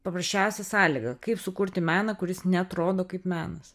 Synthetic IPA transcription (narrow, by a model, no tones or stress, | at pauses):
pɐpɾɐsʲt͡ʃʲɛʊsʲɛsɑːlʲiːɡɐkɐɪpsʊkʊɾʲt̪ʲɪmʲæːnɐkʊɾʲɪsnʲɛɐt̪ɾoːd̪oːkɐɪpmʲæːnɐs